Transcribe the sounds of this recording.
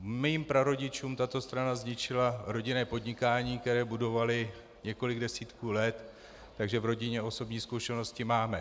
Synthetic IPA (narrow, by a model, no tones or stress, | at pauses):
miːmpɾaɾo̞ɟɪt͡ʃuːmt̪at̪o̞st̪ɾanazɲɪt͡ʃɪlaɾo̞ɟɪnɛːpo̞dɲɪkaːɲiːk̚t̪ɛɾɛːbudo̞valɪ | ɲɛko̞lɪɡdɛsiːt̪kuːlɛt̪ː | aɡʒɛvɾo̞ɟɪɲɛo̞so̞bɲiːskuʃɛno̞scɪmaːmɛ